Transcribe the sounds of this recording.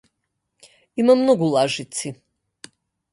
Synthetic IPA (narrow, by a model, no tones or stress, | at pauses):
imamnɔɡulˠaʒit̪si